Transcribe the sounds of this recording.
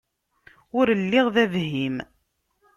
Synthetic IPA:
ʊɾəlːɪʁðævɦim

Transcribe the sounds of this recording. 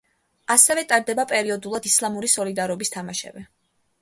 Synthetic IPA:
asɛvɛt̪ʼaɾd̪ɛbapʼɛɾiɔd̪ulˠad̪islˠamuɾisɔlid̪aɾɔbist̪ʰamaʃɛ̰vɛ

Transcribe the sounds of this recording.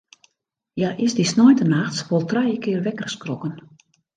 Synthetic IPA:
jaʔɪsdisnɔjntənaxsʋɔlˠtrɛjəkʰɪːərʋɛkərskrɔkən

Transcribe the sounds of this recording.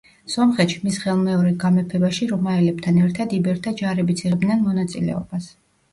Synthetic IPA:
sɔmχɛt̪ʃimisχɛlˠmɛɔɾɛɡamɛpʰɛbaʃiɾɔmaɛlɛb̥̚t̪ʰanɛɾt̪ʰad̪ibɛɾt̪ʰad͡ʒaɾɛbit̪sʰiɛbd̪nɛnmɔnat̪sʼḭlɛ̰ɔbas

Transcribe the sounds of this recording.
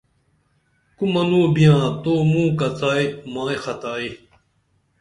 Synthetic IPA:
kumɐnuːbijãːt̪oːmũːkɐt͡saːimãːexʰɐt̪aːi

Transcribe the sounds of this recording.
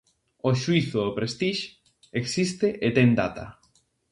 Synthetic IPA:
oʃwiθʊðopɾest̪iʃ | eksist̪eʔet̪ɛŋd̪a̰t̪a̰

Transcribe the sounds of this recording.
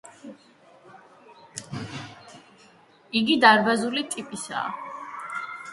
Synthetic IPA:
iɡid̪aɾbazulit̪ʼipʼisa̰ː

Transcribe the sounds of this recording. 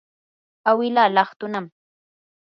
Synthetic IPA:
awɪlalɑχt̪ʊnam

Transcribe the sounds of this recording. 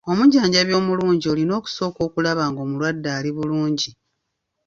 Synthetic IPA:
o̞muɟaːɲɟaβjo̞ːmuluːɲɟiolino̞ːku̥so̞ːko̞ːkulaβaːŋɡo̞ːmulwadːaːliβuluːɲɟi

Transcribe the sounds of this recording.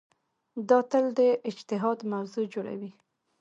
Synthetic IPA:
d̪ɑt̪əld̪əʔɪd͡ʒt̪ɪɦɑd̪mawzod͡ʒoɽa̰wi

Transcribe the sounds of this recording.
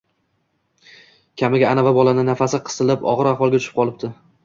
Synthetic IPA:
kʲʰamɪɡʲaːnavabɒlanɪnafasɪqʰɨ̥t̪ɪlɪpɒ̰ʁɨɾaχvɒlˠɡʲat̪ʊ̥ʃɪ̥p̚qʰɒlˠɪp̚t̪ɪ

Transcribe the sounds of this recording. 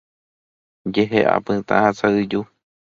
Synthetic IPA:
d͡ʒeɦeʔa̰pɨ̃t̪ã̰hat͡saɨd͡ʒu

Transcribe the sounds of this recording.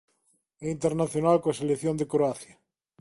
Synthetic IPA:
eint̪eɾnaθjonalkoaselekθjõnd̪ekɾoaθjɐ

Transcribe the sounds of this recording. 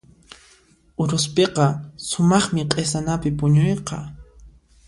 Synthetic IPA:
ʊɾʊspeqɑsʊmɑχmɪqʼesanapɪpʊɲʊjqɑ

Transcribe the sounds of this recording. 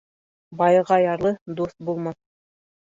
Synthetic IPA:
bɑjɤʁɑjɑɾlˠɤd̪ust̪̚bulˠmɑθ

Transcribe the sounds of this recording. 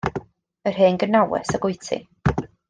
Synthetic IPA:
ər̥ɦeːnɡənawɛ̰səɡʊjtʰḭ

